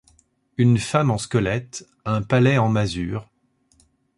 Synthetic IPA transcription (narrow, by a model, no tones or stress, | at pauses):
ynfamɑ̃skəlɛt̪ | ɛ̃palɛɑ̃mazyːʁ